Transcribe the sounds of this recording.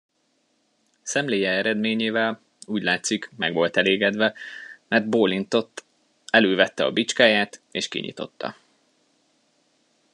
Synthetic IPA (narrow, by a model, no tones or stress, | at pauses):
sɛmleːjɛɛɾɛd̪meːɲeːvɛl | uːɟlaːt̪sikmɛɡʋo̞lt̪ɛleːɡɛd̪ʋɛmɛrd̪boːlint̪o̞t̪ː | ɛløːvɛt̪ːɛɒ̰bit͡ʃkaːjaːt̪eːʃkḭɲḭt̪o̞̰t̪ːɒ̰